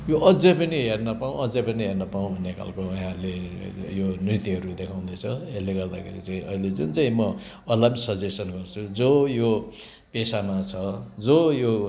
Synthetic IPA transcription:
joʔʌd͡zʌpʌniɦernʌpaũʌd͡zʌpʌniɦernʌpaũbʱʌnːekʰa̰lkoɦãlejonrit̪iɦʌɾud̪ekʰaw̃d̪ʌjt͡sʰʌeleɡʌrd̪akʰḛɾit͡saĩʔʌ̰iled͡zunt͡saĩmʌ | ʌlʌbsʌd͡zesʌnɡʌrt͡sʰud͡zojo | pesamat͡sʰʌd͡zojo

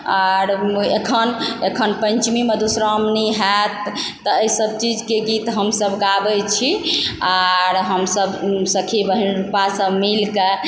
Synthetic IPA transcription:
aɾekʰənekʰənpənt͡ʃmimed̪usɾɔmniɦɛt̪ː | ɔəisəb̚t͡ʃid͡ʒkeɡit̪ɦəmsəbɡabɛt͡ʃʰiaɾɦəmsəbsəkʰibəɦinɾupasəbmilke

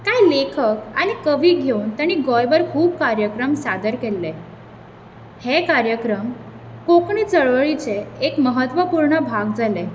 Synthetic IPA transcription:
kajlekʰəkaɽ̃ikəʋiːɡʱeunt̪jaɽ̃iːɡojʋəɾkʰuːb̚kaɾjəkɾəmsad̪əɾkelːe | hekaɾjəkɾəm | kokɳ̃iːt͡səɭʋəɭit͡seekməɦət̪ʋəpuɾɳəbʱaɡd͡zʱale

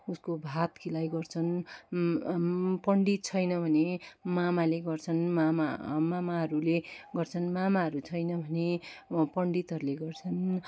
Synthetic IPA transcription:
uskobʱat̪kilajɡʌrt͡sʰʌn | pʌɳɖit̪̚t͡sʰʌjnʌbʱʌnemamaleɡʌrt͡sʰʌnmamamamaɦʌɾuleɡʌrt͡sʰʌnmamaɦʌɾut͡sʰʌjnʌbʱʌnepʌɳɖit̪ɦʌɾuleɡʌrt͡sʰʌn

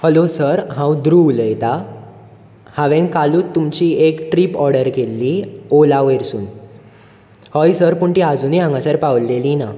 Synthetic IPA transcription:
həlosəɾɦãwd̪ɾuləjt̪a | haʋẽŋkaluːt̪ːumt͡ɕiekʈɾipɔɾɖəɾkelːiolaʋeɾsuːn | hɔjsəɾpuɳʈiːad͡zuːniãŋɡasəɾpawlelina

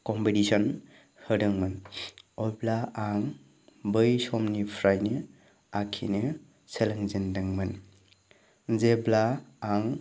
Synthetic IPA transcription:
kɔmpetisɔn | hɯɾɯŋmɯnɔjblaaŋ | bɯjsɔmnipʰɾajnɯ | akʰḭnɯ | selaŋzindɯŋmɯn | zeblaːŋ

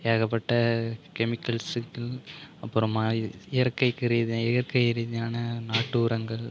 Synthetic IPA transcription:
jeːɣɐp̬ːɐʈːɐkɛmɪkːɐlsɯkːɐlɐpːɯɾɐmːaːɪjɐɾkːɐɪkːɪɾɪðɪjɐɾkɐɪɪɾɪðɪjaːnɐnaːʈːɯːɾɐŋɡɐɭ

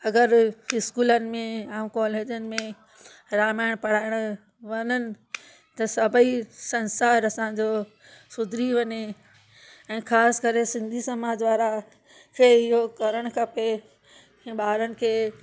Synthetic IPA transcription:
ɐɡəɾɦɪskuːlənɪ̆mẽãːkɔːleːd͡ʑənɪ̆mẽ | ɾaːmaːɪɽ̃pɐɽ̤aːɪɽ̃ʊ | ʋɐɲənɪ̆ | t̪ɐsɐbʱəisɐnsaːɾɐsãd͡ʑoː | sʊd̪ʱɾiʋɐɲe | ɛ̃ːxʰaːskɐɾesɪ̃nd̪ʱisɐmaːd͡ʑʋaːɾa | kʰeːɪɦokɐɾəɽ̃kʰɐpẽ | ɓaːɾənɪ̆kʰeː

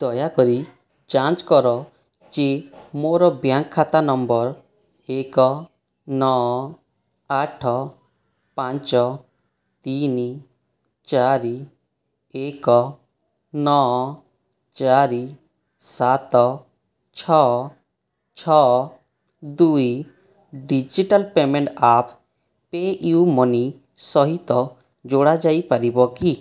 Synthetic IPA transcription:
d̪̥ɔjakɔɾi | d͡ʒant͡ʃkɔɾɔ | d͡ʒemoɾɔbjaŋkʰːat̪anɔmbɔɾ | ekɔ | nɔɔ | aʈʰɔ | pant͡ʃɔ | t̪ini | t͡ʃaɾi | ekɔ | nɔ | t͡ʃaɾi | sat̪ɔ | t͡ʃʰɔ | t͡ʃʰɔ | d̪uj | ɖid͡ʒiʈalpemɛɳʈapʰ | peiumɔni | sɔɦit̪ɔ | d͡ʒoɽad͡ʒaipaɾibɔki

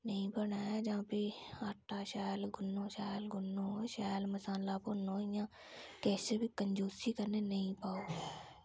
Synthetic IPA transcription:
nəĩːbəɳaːɛːd͡ʒãːpiːaːʈːaːʃaːlɡʊnːõːʃaːlɡʊnːõːʃaːlməsãːnlaːponoːɪjãː | kɛːseːbiːkəɲd͡ʒoːsiːkəɾneːnəĩːpaːoː

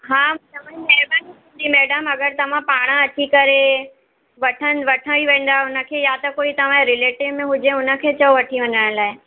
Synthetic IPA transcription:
ɦãːt̪ɐʋãieːbəniɦũnd̪imɛːɖəmɐɡəɾt̪ɐʋ̤ãpaːɽ̃əɐt͡ɕikɐɾe | ʋɐʈʰən̆ʋɐʈʰə̃ʋiʋẽːn̆d̪aɦeʊnə̆kʰeːjat̪ɐkoːit̪ɐʋ̤ãɾɪleːʈɪʋmẽɦʊd͡ʑeʊnə̆kʰeːt͡ɕɐoʋɐʈʰiʋɐɲəɽ̃laːɪ

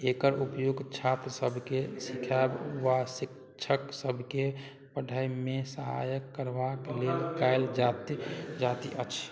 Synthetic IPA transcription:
ekəɾupjoɡt͡ʃʰat̪ɾəsəbʱkesikʰabʋasik | t͡ʃʰəksəbʱke | pəɖʱajmesəɦa̰jəkːəɾbaklelkaeld͡ʒat̪d͡ʒat̪iʔət͡ʃʰ

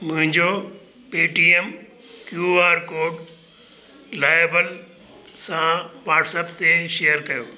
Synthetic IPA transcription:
mʊ̃ɦɪ̃ɲd͡ʑo | peːʈiːem | kjuaːɾkoːɖ | laːɪjbəl | sãʋaːʈsəpt̪eʃejəɾkɐjoː

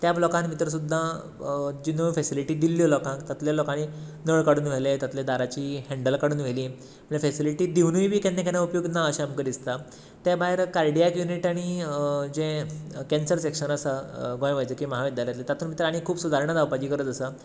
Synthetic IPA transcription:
t̪jablɔkãnmit̪ɾəs̬ud̪ʱːa | d͡ʑinufesiliʈiːd̪ilːjolɔkãkt̪at̪ljalɔkañinəɭkaɽuːnʋ̤elet̪at̪ljed̪aɾat͡ɕiːhɛ̃ɳɖəlkaɽuːnʋ̤ʱeliː | əɳəfesiliʈiːd̪iʋnujbʱiːkenːekanaupjoɡnaəɕamkəɾd̪ist̪a | t̪abaɦeɾkaɾɖijakjuniʈaɽ̃id͡ʑẽkɛnsəɾsekɕənəsəɡɔ̃jʋajt͡ɕəkiməɦaʋid̪jaljat̪let̪at̪ʰuːnmit̪ɾaɽ̃ikʰuːbsud̪ʱaɾɳ̃əd̪aʋpad͡ʑiːkəɾət̪əsə

